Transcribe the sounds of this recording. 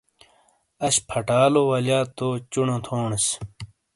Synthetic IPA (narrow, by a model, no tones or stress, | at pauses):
ɐɕpʰɐʈaːlowɐlaːt̪oːt͡ɕunõt̪ʰoːɳɐs